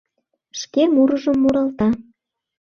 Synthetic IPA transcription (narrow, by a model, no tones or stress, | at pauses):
ʃkemuɾəʒəmːuɾɑlt̪ɑ